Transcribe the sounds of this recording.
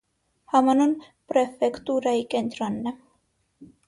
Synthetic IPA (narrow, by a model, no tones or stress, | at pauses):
hɑmɑnun | pɾɛfɛkt̪uɾɑjikɛnt̪ɾɔnːɛ